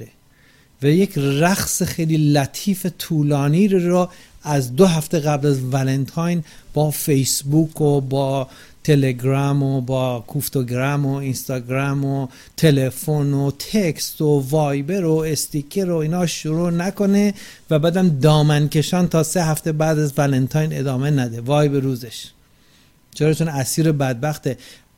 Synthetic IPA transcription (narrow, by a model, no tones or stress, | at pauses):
e | væjecʰræxsexejliːlæt̪ʰiːfet̪ʰuːlɒːniːɾɾoæzd̪oɦæft̪eɣæblæzvælent̪ʰɑːjnb̥ɒːfejsbuːkʰobɒː | t̪ʰeleɡɾɑmobɒːkʰuft̪oɡɾæmoinst̪ɒːɡɾæmo | t̪ʰe̞le̞fonot̪ʰekst̪ovɒːjbeɾoest̪ikʰeɾo̞iːnɒːʃuɾuːnæko̞ne | væbæːd̪æmd̪ɒːmænkʲʰe̞ʃɒːnt̪ʰɒːseɦæft̪ebæːd̪æzvælent̪ʰɒːjne̞d̪ɒːme̞næd̪e̞vɒːjbeɾuːzeʃ | t͡ʃʰeɾɒt͡ʃʰunæsiːɾebæd̪̚bæxt̪e